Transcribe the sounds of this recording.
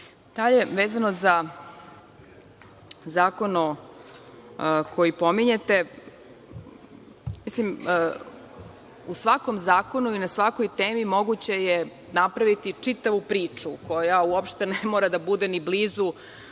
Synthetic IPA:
d̪̥aʎe̞ʋeːzano̞za | zaːko̞no | kʰo̞jipo̞miɲe̞t̪e̞ | mislim | usʋako̞mzaːko̞nuinasʋako̞jt̪eːmimo̞ɡut͡ɕe̞je | napɾaʋit̪it͡ʂit̪aʋupɾiːt͡ʂuko̞jauopʃt̪enemoːɾad̪abud̪enibliːzu

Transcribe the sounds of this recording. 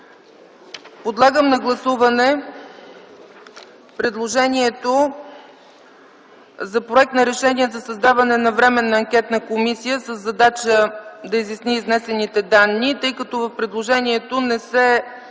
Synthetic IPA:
pod̪lˠaɡəmnɐɡlˠɐsuvɐnɛ | pɾɛd̪lˠoʒɛniɛt̪o | zɐpɾoɛk̚t̪nɐɾɛʃɛniəzɐsɐzd̪avɐnɛnɐvɾɛmɛnːɐːŋkʲɛt̪nəkomisijəsəzːɐd̪at͡ʃəd̪ɐizjɐsniːznɛsɛnit̪ɛd̪anːit̪ɤjkɐt̪ɔvəfpɾɛd̪lˠoʒɛniɛt̪onɛsɛ

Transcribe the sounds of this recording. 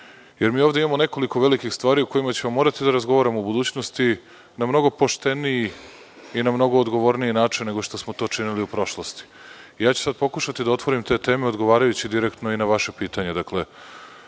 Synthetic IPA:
jeɾmiːoʋd̪eimamo̞neko̞liko̞ʋelikixst̪ʋaːɾiuko̞jimat͡ɕe̞mamːo̞ːɾat̪id̪aɾazɡoʋaːɾamoubud̪uːt͡ɕno̞st̪i | namno̞ɡo̞po̞ʃt̪e̞niji | inamno̞ɡo̞ːd̪ɡo̞ʋo̞ɾniinaːt͡ʂinːe̞ɡo̞ʃt̪o̞smot̪o̞ːt͡ʂiniliupɾo̞ʃlˠost̪i̥ijaːt͡ɕu̥sad̪̚po̞kuʃat̪id̪ao̞t̪ʋo̞ɾimt̪e̞ːt̪e̞ːme̞o̞d̪ɡo̞ʋaːɾajut͡ɕid̪iɾekt̪no̞inaʋaʃepiːt̪aɲe̞d̪akle̞

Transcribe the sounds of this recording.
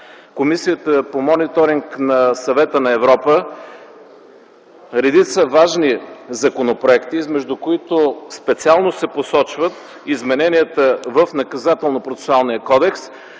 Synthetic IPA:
komisiət̪əpomɔnit̪oɾiŋknɐsɐvɛt̪ənɐɛvɾɔpə | ɾɛd̪it̪səvaʒnizɐkonopɾoɛkt̪izmɛʒd̪ʊkoit̪ospɛt̪sialˠnosɛposɔt͡ʃvət̪ | izmɛnɛniət̪əvəfnɐkɐzat̪ɛlˠnopɾot̪sɛ̥sʊalˠnijəkɔd̪ɛks

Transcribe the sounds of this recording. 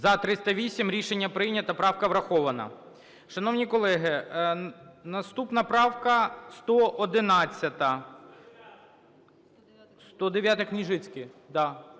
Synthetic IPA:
zɐt̪ɾɪst̪ɐʋʲisʲimɾʲiʃenʲːɐpɾɪjnʲɐt̪ɐpɾɑwkɐʋɾɐxɔʋɐnɐ̰ | ʃɐnɔwnʲikɔlˠɛɦɪ | nɐst̪upnɐpɾɑwkɐst̪ɔʔɔd̪ɪnɑt͡sʲːɐt̪ɐ | st̪ɔd̪eʋʲjat̪ɐknʲiʒɪt͡sʲkɪd̪ɑ

